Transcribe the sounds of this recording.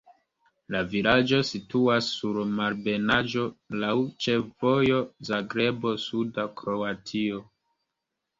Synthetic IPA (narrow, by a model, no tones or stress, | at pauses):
lavilad͡ʒo̞situasːuɾmaɾbe̞nad͡ʒo̞lawt͡ʃe̞fvo̞jo̞zaɡɾe̞bo̞sudakɾo̞atʰio